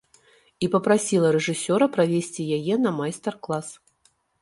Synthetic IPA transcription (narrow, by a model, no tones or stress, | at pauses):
ipɐpɾasʲilˠɐɾɛʐɨsʲɔɾɐpɾavʲesʲt͡sʲijajɛnɐmajst̪ɛrklˠas